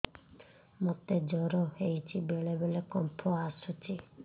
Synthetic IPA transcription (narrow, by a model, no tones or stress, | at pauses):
mɔt̪ed͡ʒɔɾɔhejt͡ʃʰibeɭebelekɔmpʰɔasut͡ʃʰi